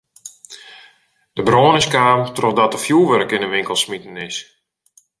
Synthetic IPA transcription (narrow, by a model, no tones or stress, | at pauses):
d̥əbroːnəskaːmtrɔxdɔtəfjuːʋɛɾkɪnənʋɪŋkəlˠsmitən̩ɪs